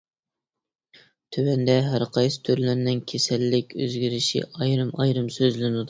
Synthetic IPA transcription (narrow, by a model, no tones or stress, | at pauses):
t̪ʰøwɛnd̪ɛɦæɾqʰɑjsɨ̥t̪ʰøɾlænnɪŋkʲʰesɛlːɪkʲʰø̰zɡʲiɾɪʃḭʔɑjɾɨmɑ̰jɾɨmsøzlɪnɨd̪u